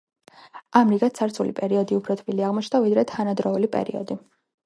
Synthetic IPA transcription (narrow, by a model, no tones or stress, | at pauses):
amɾiɡat̪sʰaɾt̪sʰulipʼɛɾiɔd̪iupʰɾɔt̪ʰbiliaʁmɔt͡ʃʰnavid̪ɾɛt̪ʰanad̪ɾɔulipʼɛ̰ɾḭɔ̰d̪i